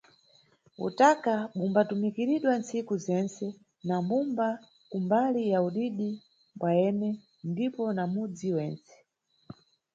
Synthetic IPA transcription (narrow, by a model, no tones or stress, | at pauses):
ṵtakaɓumbatumikiɾiɗwant͡sikuzɛnt͡sɛ | namumba | kumbalijauɗiɗi | mbwajɛnɛ | ndipɔnamud͡ziwɛːnt͡sɛ̥